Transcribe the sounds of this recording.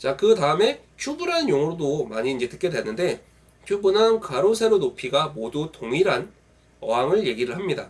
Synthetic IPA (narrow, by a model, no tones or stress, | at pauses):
t͡ɕakɯtaɯme̞ | t͡ɕʰubuɾɦanjoŋɯɾodomaɲiːnd͡ʑe̞tɯ̥k͈e̞dwe̞nːɯnde̞ | t͡ɕʰjubunankaɾosʰe̞ɾonopʰiɡamodutoŋiɾɦan | ʌ̰aŋɯɭje̞ɡiɾɯɭhamɲida̰